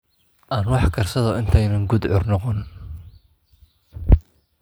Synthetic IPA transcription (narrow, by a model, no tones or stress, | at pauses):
ʔaːnwɑħkʰɐrsɐðɔɪnt̪ʰɛjnɐŋɡʊd̪ʕʊrnɔqɔn